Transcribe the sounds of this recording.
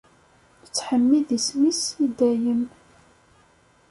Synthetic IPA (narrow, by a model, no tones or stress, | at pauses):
t͡sːħəmːiðismisid̪æjəm